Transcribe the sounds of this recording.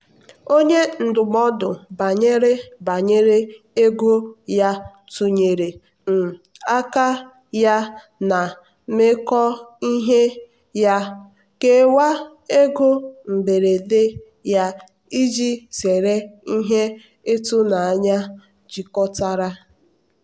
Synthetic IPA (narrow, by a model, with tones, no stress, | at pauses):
o˦ɲe˦n̩˨dʊ˨m˦ɔ˦dʊ˨ba˨ɲe˦ɾe˦ba˨ɲe˦ɾe˦ | e˦ɡo˦ja˦ | tu˨ɲe˨ɾe˨ | m̩˨ | a˦ka˦ | ja˦ | na˨ | me˦kɔ˦i˦ɦe˦ | ja˦ | ke˦wa˦ | e˦ɡo˦m̩˨be˨ɾe˨de˦ | ja˦ | i˦d͡ʒi˦se˨ɾe˦i˦ɦe˦ | e˦tʊ˦na˨a˨ɲa˦ | d͡ʒi˨kɔ˦ta˦ɾa˦